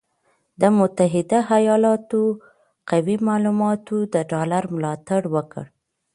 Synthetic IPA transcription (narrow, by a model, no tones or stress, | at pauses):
d̪əmʊt̪aɦɪd̪ahajɑlɑt̪o | qawimɑlumɑt̪od̪əɖɑlaɾmlɑt̪aɽwəkə̰ɽ